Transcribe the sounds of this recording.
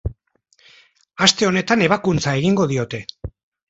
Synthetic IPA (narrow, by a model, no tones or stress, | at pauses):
ast̪e̞o̞ne̞t̪ane̞β̞akunt͡sae̞ɣiŋɡo̞ðio̞t̪e̞